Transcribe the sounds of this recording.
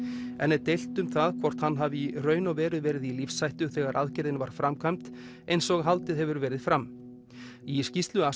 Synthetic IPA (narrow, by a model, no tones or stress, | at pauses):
ɛnːɛðt̪ejl̥t̪ʏmθaðkʰvɔr̥t̪hanːɦavɪirœːɥnavɛːɾʏðvɛːɾɪðilifsːajht̪ʏθɛːɣaɾʔa̰ðcɪɾðɪnvaɾ̥fɾamkʰvajmt̪ | ejnsɔɣɦalt̪ɪðɦɛvʏɾvɛːɾɪð̥fɾamː | iscist̪lʏa